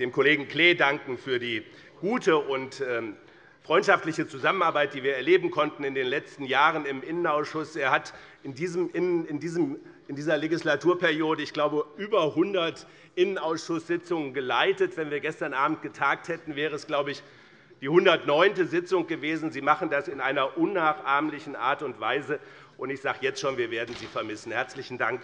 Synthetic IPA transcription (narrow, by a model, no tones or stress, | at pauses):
d̥eːmkʰoleːɡŋ̩kl̥eːdaŋkŋ̩fyːɐdiː | ɡ̥uːtʰəʔʊntɛː | fʁ̥ɔʏntʃaftlɪçət͡suzamənaɐbaɪt̚d̥iːviːɐɛɐleːbm̩kʰɔntn̩ɪndeːnlɛt͡stn̩jaːʁənɪmʔɪnənaʊsʃʊsʔeːɐhat | ɪndiːzəmʔɪnənɪndiːzəm | ɪndiːzɐleɡislatʰuːɐpɛʁjoːdəɪçɡ̥laʊbəʔyːbɐɦʊndɐt | ʔɪnənaʊsʃʊsz̥ɪt͡sʊŋənɡəlaɪtətv̥ɛnviːɐɡɛstɐnʔaːbm̩t̚ɡ̥ətʰaːk̚thɛtn̩vɛːʁ̞əɛsɡ̥laʊbəɪç | d̥iːhʊndɐtnɔʏntəzɪt͡sʊŋɡ̥əveːzn̩ziːmaχn̩dasɪnʔaɪnɐʔʊnːaːχʔaɐmlɪçn̩ʔa̰ːɐtʊntv̥a̰ɪzə | ʔʊntɪçz̥aːɡəjɛt͡stʃoːnviːɐveːɐdn̩ziːfɛɐmɪsn̩hɛɐt͡slɪçn̩daŋk